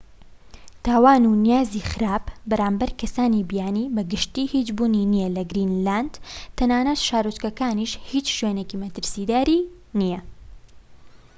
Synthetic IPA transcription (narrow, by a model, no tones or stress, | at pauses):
t̪aːwaːnunijaːzixɨɾaːpbɐɾaːmbɐɾkʰɐsaːnibijaːnibɐɡɨʃt̪iːhit͡ʃbuːninijɛlɐɡɾinland̪̥t̪ʰːɐnaːnɐt̪ʃaːɾot͡ʃkɐkaːniʃhit͡ʃʃweːnecimɐt̪ɨɾsid̪aːɾi | nijɐ